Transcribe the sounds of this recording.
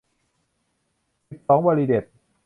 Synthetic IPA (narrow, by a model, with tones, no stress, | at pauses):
si˨˩p̚sɔː˩˦ŋwaː˧liː˧de˨˩t̪̚